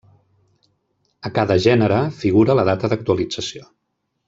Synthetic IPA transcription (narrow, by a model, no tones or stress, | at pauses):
əkaðəʒɛnəɾəfiɣuɾələð̞at̪əðək̚t̪uəlid͡zəsio